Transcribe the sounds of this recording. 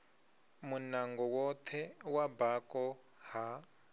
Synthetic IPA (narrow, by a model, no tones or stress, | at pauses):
munaŋɡɔwɔt̪ʰɛwabakɔ | ha